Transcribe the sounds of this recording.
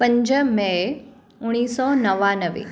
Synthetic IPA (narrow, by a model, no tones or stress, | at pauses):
pə̃ɲd͡ʑəme | ʊɽ̃iːsɔnɐʋanəʋḛ